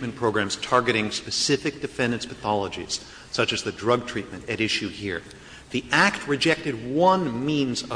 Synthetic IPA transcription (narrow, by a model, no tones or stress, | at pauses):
mɨ̃n̩pʰɹ̥oʊɡɹæ̃mz̥tʰɑɹɡɨɾɪ̃ŋspɨsɪfɨk̚d̥ɨfɛ̃ndɨ̃n̩smɨθɑlˠəd͡ʒḭz̥ | sʌt͡ʃɨzðɨdɹʌɡ̚tʰɹ̥it̚mɨ̃ntɨɾɪʃʉhiɹ | ðiʔæk̚t̚ɹɨd͡ʒɛk̚tɨd̚wʌ̃nmĩnzʌ